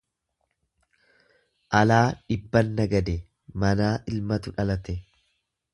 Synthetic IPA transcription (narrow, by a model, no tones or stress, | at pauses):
ʔɐlaːᶑɪbːɐnːɐɡɐd̪ɛ | mɐnaːʔɪlmɐt̪ʊᶑɐlɐt̪ɛ